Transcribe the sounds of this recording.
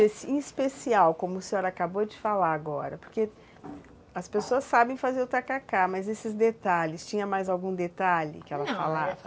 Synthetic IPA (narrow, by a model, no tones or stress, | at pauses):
esiĩspesiawkõmʊʊsĩoɾɐakabod͡ʒɪfalaɾaɡɔɾɐpo̥ɾke | ɐspesoɐsːabẽj̃fazeɾʊt̪akakamɐzesɪzd̪et̪aʎɪst͡ʃĩɲɐmajzawɡũd̪et̪aʎɪ̰kɪɛlɐfa̰lavɐ